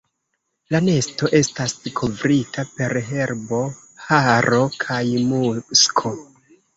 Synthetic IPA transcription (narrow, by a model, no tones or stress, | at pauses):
lane̞sto̞ʔe̞staskʰovɾitʰape̞ɾɦe̞ɾbo̞ | haɾo̞kʰajmuskʰo